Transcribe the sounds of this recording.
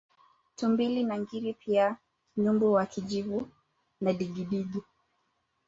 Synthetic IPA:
tumbilinaŋɡiɾipʰia | ɲumbuwakʰid͡ʒivu | naɗiɡiɗiɡi

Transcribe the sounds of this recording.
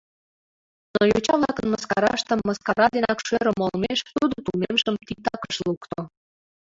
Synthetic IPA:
nojot͡ɕɑβlɑkənməskɑɾɑʃt̪əmːəskɑɾɑd̪enɑkʃøɾə̆molmeʃt̪ud̪ot̪ulnemʃəmt̪it̪ɑkəʃlukt̪o

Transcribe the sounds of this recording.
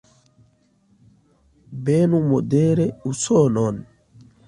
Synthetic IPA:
benumod̪eɾeusonɔn

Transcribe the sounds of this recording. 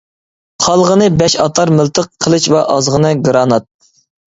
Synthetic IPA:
χʰɑlˠʁənɨbɛʃɑt̪ʰɑɾmɪlˠt̪ʰəqʰːəlˠɨʃvɛʔɑzʁənɨɡɾɑnɑt̪̚

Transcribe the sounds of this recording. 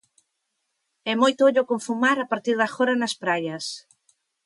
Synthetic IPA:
ɛmojt̪ooʎokoɱfumaɾapaɾt̪iɾðɐxɔɾɐnɐspɾajɐs

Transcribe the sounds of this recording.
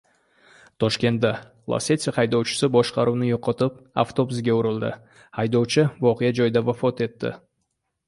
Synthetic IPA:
t̪ʰoʃkʲe̞nt̪d̪ɑ | lˠa̰set̪sʲqʰɑjd̪owt͡ʃɪ̥səboʃqɑɾunəjoqːət̪əpa̰ft̪o̞busɡʲe̞ʊɾɨlˠd̪ə̰ | ɑjd̪owt͡ʃəwoqijɑd͡ʒojd̪ɑvafo̞t̪e̞t̪ːɪ̰

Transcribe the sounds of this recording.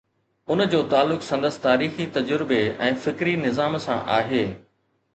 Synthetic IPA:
ʊnd͡ʑoːt̪aːlːʊksɐ̃nd̪əst̪aːɾiːxit̪ɐd͡ʑəɾɪbeɛ̃ːfɪkɾinɪzaːmsã̰ʔa̰ːɦeː

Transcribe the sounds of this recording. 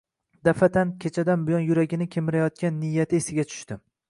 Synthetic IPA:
d̪̥afat̪ʰankʲʰet͡ʃʰad̪anbɪjɒnjʊɾaɡʲɪnɪkʲʰemɪɾajɒt̪̚kʲanːɪjːat̪ʰɪesɪɡʲat͡ʃʰʊ̥ʃt̪ɪ

